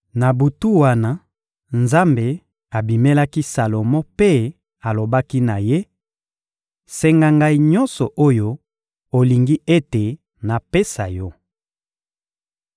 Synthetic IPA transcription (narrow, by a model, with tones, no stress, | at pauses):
na˨bu˨tu˦wa˦na˦ | nza˦mbe˨ | a˨bi˨me˦la˦ki˦sa˨lo˨mɔ̃˦pe˦ | a˨lo˨ba˦ki˦na˨je˦ | sɛ˨ŋɡa˨ŋɡa˨i˦ɲɔ˦nsɔ˨ʔo˦jo˦ | o˨li˨ŋɡi˦ʔe˦te˨ | na˨pe˦sa˨jɔ˦